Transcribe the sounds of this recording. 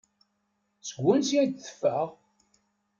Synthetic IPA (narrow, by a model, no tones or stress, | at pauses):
səɡʷːʊnsiæd̪θə̥fːæʁ